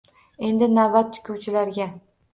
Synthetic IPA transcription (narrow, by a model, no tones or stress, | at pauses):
e̞nd̪ɪnabat̪ːʰʊ̥kʲʰuwt͡ʃʰɪlaɾɡʲa